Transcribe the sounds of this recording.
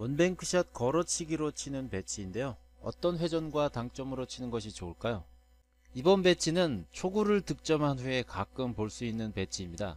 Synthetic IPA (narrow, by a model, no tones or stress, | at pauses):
wʌnbe̞ŋkʰɯɕʰat̚kʌɾʌt͡ɕʰiɡiɾot͡ɕʰinɯnpe̞t͡ɕʰiːnde̞jo | ʌ̰t͈ʌnɸwe̞d͡ʑʌnɡwataŋt͡ɕ͈ʌmɯɾot͡ɕʰinɯnɡʌɕ̬ʰit͡ɕoːɭk͈ajo | ibʌnbe̞t͡ɕʰinɯnt͡ɕʰoɡuɾɯɭtɯk̚t͡ɕ͈ʌmɦanɸeekak͈ɯmpoɭs͈uinːɯnpe̞t͡ɕʰiːmɲida̰